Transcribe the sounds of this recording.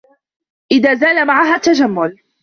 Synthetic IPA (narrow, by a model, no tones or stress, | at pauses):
ʔɪðaːzaːlamaʕaɦaːt̪ad͡ʒamːʊl